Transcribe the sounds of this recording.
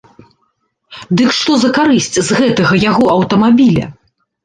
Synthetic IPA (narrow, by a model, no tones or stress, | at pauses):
d̪ɨkʂt̪ɔzɐkaɾɨsʲt͡sʲzɣɛt̪ɐɣɐjaɣɔɐwt̪ɐmabʲilʲɐ̰